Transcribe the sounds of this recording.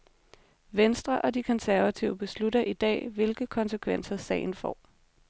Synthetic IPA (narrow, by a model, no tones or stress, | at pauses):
ʋensd̥ʁɐʔɒ̽d̥ikʰɒ̽nsæɐʋæt͡sʰiʊəb̥e̝sludɐʔid̥ɛ̰ːʋe̝lɡ̥ð̩kʰɒ̽nsekʰʋen̰sɐsɛ̰ɪn̩fɒ̰ː